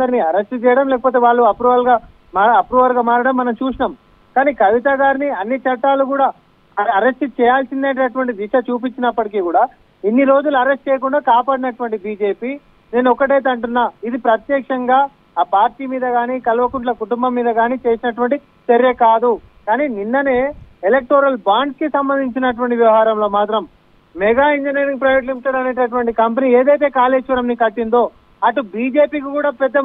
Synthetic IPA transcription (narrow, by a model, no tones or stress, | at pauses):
ɐɾniɐɾesʈt͡ʃɛːjɐɽɐmlɛːkɐpoːt̪eːʋaːɭːuɐpɾuːʋɐlɡaː | maːɐpɾuːʋɐlɡaːmaːɾɐɽɐmːɐnɐmt͡ʃuːsinɐm | kaːniːkɐʋit̪ɐɡaːɾniɐnːit͡ʃɐʈːaːlukuːɽaː | ɐɾesʈt͡ʃɛːjaːlsind̪ɐːɳʈeɐʈ̬uʋɐɳʈid̪iʃɐt͡ʃuːp̬iɲt͡ʃːinɐpːɐʈik̬iːkuːɽaː | inːiɾo̞ːd͡ʒuluɐɾesʈt͡ʃɛːjɐk̬uɳɖaːkaːpaːɽinɐʈʋɐɳʈibiːd͡ʒe̞ːpiː | ne̞ːnuɔkːɐʈ̬ɐjt̪̬eɐɳʈunːaːid̪ipɾɐt̪jɛːkʂɐŋɡaː | paːɾʈiːmiːd̪ɐɡaːniːkɐlʋɐkuɳʈ̬lɐkuʈumbɐmːiːd̪ɐɡaːniːt͡ʃe̞ːsinɐʈʋɐɳʈi | t͡ʃɐɾjɐkaːd̪ukaːniːninːɐne̞ːelek̚ʈoːɾɐlbaːɳɖkisɐmbɐnd̪iɲt͡ʃinɐʈ̬uʋɐɳʈiʋjɐʋɐɦaːɾɐmlo̞ːmaːt̪ɾɐm | mɛɡaːiɲd͡ʒɐneːɾiŋɡpɾɐjʋeʈ̬limiʈːɐɽɐne̞ːʈ̬ɐʈ̬ʋɐɳʈikɐmpɐniːeːd̪ɐjt̪̬e̞ːkaːleːʂʋɐɾɐmnikɐʈːind̪o̞ː | ɐʈubiːd͡ʒe̞ːpiːk̬ikuːɽaːpɛd̪ːɐ